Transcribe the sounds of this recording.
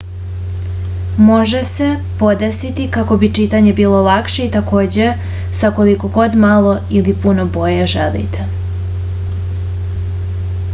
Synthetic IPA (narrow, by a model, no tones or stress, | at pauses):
mo̞ʒe̞se̞ | po̞d̪esit̪ikako̞bit͡ʃit̪aɲe̞biːlo̞lˠakʃe̞it̪ako̞ːd͡ʑe̞ | sakoliko̞ɡo̞d̪malˠo̞ilipuno̞bo̞jeʒelḭt̪e